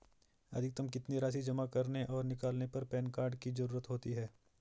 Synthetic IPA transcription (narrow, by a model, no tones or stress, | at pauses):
ɐ̰d̪ʱɪk̚t̪ɐmkɪt̪niɾaːʃ̬id͡ʒɐmakɐɾneʔɔːɾnɪkaːlnepɐɾpɛːnkaːɾɖkizɐɾuːɾət̪ɦoːt̪iɦɛː